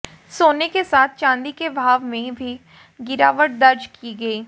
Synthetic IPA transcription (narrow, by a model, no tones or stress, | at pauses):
soːnekesaːt̪ʰt͡ʃãːnd̪ikebʱaːʋmẽbʱi | ɡɪɾaːʋəʈ̚d̪ɐɾd͡ʒkiɡɐiː